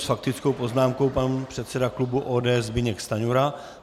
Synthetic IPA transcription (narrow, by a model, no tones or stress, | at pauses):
sfak̚t̪ɪt͡sko̞wpo̞znaːmko̞wpanpr̥ɛt̪sɛdaklubuʔoːdɛːɛzbɪɲɛkst̪aɲuɾa